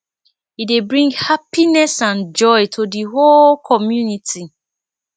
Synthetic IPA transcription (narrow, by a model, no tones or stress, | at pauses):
idebɹĩŋɡhapinɛsãnd͡ʒɔɪtʰodiɦolkʰɔmjuniti